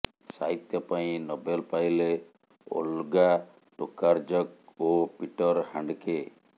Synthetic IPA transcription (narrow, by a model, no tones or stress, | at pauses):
saɦit̪jɔpaĩnɔbelpajle | o̰lɡa | ʈokːaɾd͡ʒɔk̚opiʈɔɾhaɳɖke